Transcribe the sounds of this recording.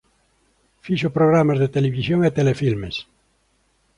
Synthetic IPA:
fiʃopɾoɣɾamazðet̪eleβisjoŋet̪elefilmes

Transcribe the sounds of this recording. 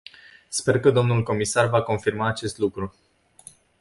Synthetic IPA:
spe̞rkəd̪omnulko̞misarvako̞nfirmaːt͡ʃe̞st̪lukɾu

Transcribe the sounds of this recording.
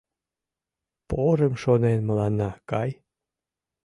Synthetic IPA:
poɾemʃonenməlɑnːɑkɑj

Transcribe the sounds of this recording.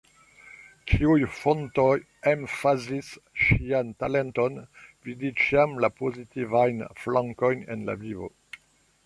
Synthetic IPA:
kʰiujfontoj | emfazisʃiantalentonvidit͡ʃiamlapozitivajnflãŋko̞jnḛnla̰vivo̰

